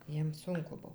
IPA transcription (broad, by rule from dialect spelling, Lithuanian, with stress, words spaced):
ˈjiɛm ˈsʊŋkʊ ˈbʊw